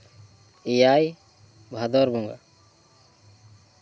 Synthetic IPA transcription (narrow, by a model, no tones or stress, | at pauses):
ijaːj | bʱad̪ɔɾbɔŋɡa̰